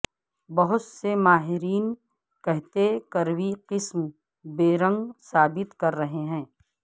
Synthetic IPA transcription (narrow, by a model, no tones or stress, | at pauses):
bɐɦʊt̪semaːɦɪɾiːn | kɐɦt̪ekɐɾwiqɪsm | beːɾə̃ŋɡsaːbɪt̪kɐɾːɐɦeɦɛ̃ː